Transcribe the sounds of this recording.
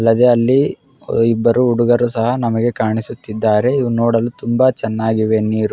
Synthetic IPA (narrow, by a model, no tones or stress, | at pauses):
ɐlːɐd̪e̞ːɐlːi | ibːɐɾuːɽuɡɐɾusɐɦɐnɐmɐɡe̞kaːɳisut̪ːid̪ːaːɾe̞iʋunoːɽɐlut̪umbɐt͡ʃɛnːaːɡiʋe̞niːɾu